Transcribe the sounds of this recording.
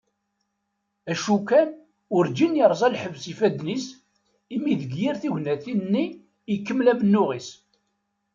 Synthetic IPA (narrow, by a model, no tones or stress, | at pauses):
æʃukæn | ʊɾd͡ʒinjəɾˤzˤælħəvsifæd̪nis | imiðəɡjiɾθiʝnæθinːiː | kːəmːlæmənːʊʁis